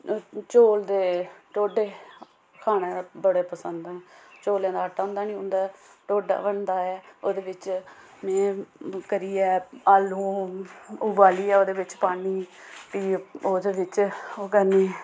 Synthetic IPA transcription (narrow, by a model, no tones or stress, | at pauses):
t͡ʃoːld̪eːʈoːɖeː | kʰaːɽ̃ẽːbəɽeːpəsənd̪ɛ̃ːt͡ʃoːljãːd̪aːʈːaːʊ̃nd̪aːnĩːɦʊ̃ːnd̪aːʈoːɖa̰ːbəɳd̪aːɛːoːd̪eːʋɪt͡ʃ | mɛ̃ːkəɾiːɛːaːlũː | ʊbaːliːɛːoːd̪eːʋɪt͡ʃpaːniːpiːoːd̪eːʋɪt͡ʃoːkəɾneː